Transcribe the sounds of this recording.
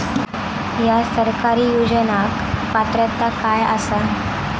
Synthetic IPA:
jasəɾkaɾiːjud͡ʑənak | pat̪ɾət̪ːakaja̰sa

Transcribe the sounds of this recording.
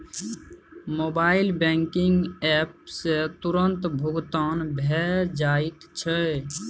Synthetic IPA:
moːbaːɪlbɛ̃ːŋkɪŋɡɛːpset̪ʊɾənt̪bʱʊɡt̪aːnbʱɛːɾd͡ʒaːɪt̪t͡ʃʰə

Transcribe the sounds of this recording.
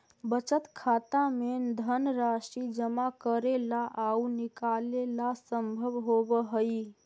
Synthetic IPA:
bət͡ʃət̪kʰat̪amed̪ʱənɾasid͡ʒəmakəɾelaʔaunikalelasəmbʱəbɦobəɦəj

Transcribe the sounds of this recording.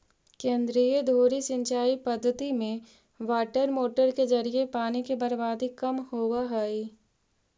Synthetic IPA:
kẽːnd̪ɾiːəd̪ʱoːɾisɪ̃ɲt͡ʃaːipɐd̪ʱːət̪imẽ | ʋaːʈəɾmoːʈəɾkezɐɾiepaːnikebɐɾbaːd̪ikɐmhoːaɦɛːi

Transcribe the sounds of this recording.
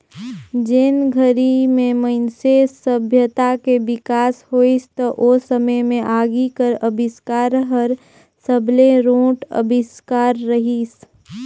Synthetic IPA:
d͡ʒɪnɡʱəɾimẽməɪnsesəbʱjət̪akebɪkaːshoːist̪əʔosəməjmẽʔaːɡikəɾəbʱɪskaːɾɦəɾ | səbleɾõːʈə̰bʱɪskaːɾːəɦis

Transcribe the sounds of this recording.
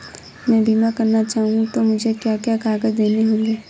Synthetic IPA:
mɛ̃ːbʱimakɐɾnat͡ʃaːɦũŋɡt̪omʊd͡ʒʱekjaːkjakaːɡəd͡ʒd̪eːneɦõːŋɡeː

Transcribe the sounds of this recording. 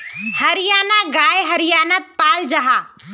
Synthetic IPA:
hɐɾɪjaːnaɡaːeɦɐɾɪjaːnət̪̚paːld͡ʒɐɦaː

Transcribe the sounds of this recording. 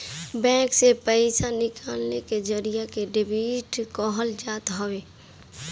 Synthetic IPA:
bɛ̃ːksepəɪsanɪkʰaːlneked͡ʒəɾijakeɖɪbiːʈkɔɦəld͡ʒaːt̪ɦɔweː

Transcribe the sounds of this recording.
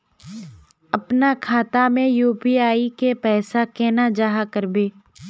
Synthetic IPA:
ɐpnakʰaːt̪amẽjuːpiaːikepɛːsakɛːnad͡ʒaːɦakəɾbeː

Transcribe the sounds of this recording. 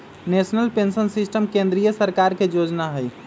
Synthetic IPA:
nesnəlpensənsisʈəmkẽnd̪ɾijəsəɾkaɾkejod͡ʒnaɦəj

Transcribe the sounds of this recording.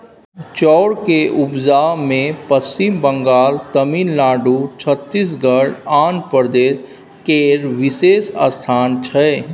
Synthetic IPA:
t͡ʃɔːɾkeʔʊbzaːmẽpəst͡ʃimbə̃ŋɡaːlt̪ɐmiːnlaːɖut͡ʃʰət̪ːis̬ɡəɽaːnpəɾd̪eːs | keːɾʋɪseːsa̰st̪ʰaːnt͡ʃʰɛ

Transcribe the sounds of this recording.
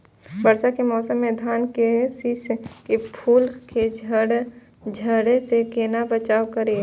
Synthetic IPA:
bəɾsakemɔːsəmːẽd̪ʱaːnkesɪskepʰuːlked͡ʒəɽ | d͡ʒʱəɽsekeːnabət͡ʃaːwkəɾe

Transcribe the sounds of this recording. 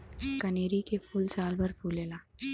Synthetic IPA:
kɐneːɾikepʰuːlsaːlbɐɾpʰuːleːlaː

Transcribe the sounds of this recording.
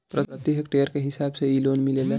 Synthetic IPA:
pɾəət̪jiɦək̚ʈeəɾkeɦisabseilonmilele

